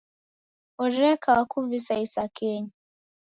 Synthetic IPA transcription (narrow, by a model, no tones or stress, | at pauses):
ɔɾɾɛkʰawakuvisaisakɛɲi